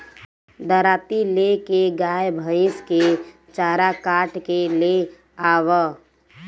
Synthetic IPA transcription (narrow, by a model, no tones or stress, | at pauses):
d̪əɾaːt̪ilekeɡaːjbʱə̃ɪ̃ske | t͡ʃaːɾakaːʈkele | aːwə